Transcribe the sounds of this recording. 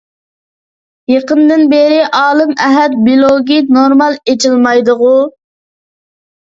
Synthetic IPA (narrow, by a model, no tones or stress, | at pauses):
jeqənd̪ɨnbeɾɪʔɑːlˠɨmɛɦɛd̪̚bilˠoɡʲinoɾmɑlˠet͡ʃilˠmɑjd̪ʊʁu